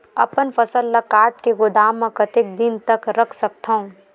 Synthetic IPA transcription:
ɐ̰pənfɐsəlːɐkaːɾʈkeɡʊd̪aːmːẽkɐt̪ek̚d̪ɪnt̪ɐkɾɐkʰsɐk̚t̪aɦũ

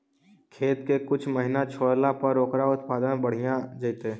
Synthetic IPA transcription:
kʰeːt̪kekʊt͡ʃʰməɦɪnat͡ʃʰoːɽlapəɾoːkɾaʊt̪paːd̪ənbəɽ̤ijãd͡ʒəit̪e

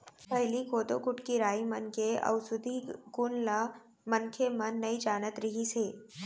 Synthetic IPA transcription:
pəɦɪlikoːt̪okʊʈkiɾaːimənkeʔə̰ʋsʊd̪ʱikunla | mənkʰemənːəid͡ʒaːnət̪ɾiɦise

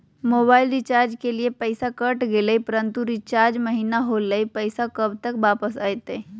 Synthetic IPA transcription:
moβailɾit͡ɕaɾd͡ʒkeliepəjsakəʈɡeləipəɾənt̪uɾit͡ʃaɾd͡ʒməɦinaɦoləjpəjsakəbt̪əkbapəsajt̪e

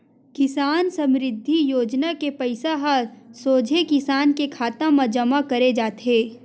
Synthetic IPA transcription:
kɪsaːnsɐ̃mɾɪd̪ʱːijoːd͡ʒnakepɐɪsaɦasoːd͡ʒʱekɪsaːnkekʰaːt̪ãmad͡ʒɐmakɐɾed͡ʒaːt̪ɦeː

